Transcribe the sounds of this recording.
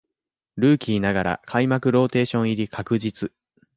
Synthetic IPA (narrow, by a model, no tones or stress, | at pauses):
ɾɯ̟ːkʲiːnaɡaɾa̰kʰaimakɯ̟ɾo̞ːt̪e̞ːɕõ̞ɰ̃iɾʲikʰakɯ̟d͡ʑit͡sɨ